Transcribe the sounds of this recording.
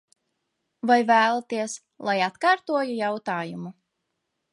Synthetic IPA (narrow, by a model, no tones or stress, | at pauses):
vajvæːlˠt̪iɛs | lˠajat̪kaːɾt̪uɔjujawt̪aːjumu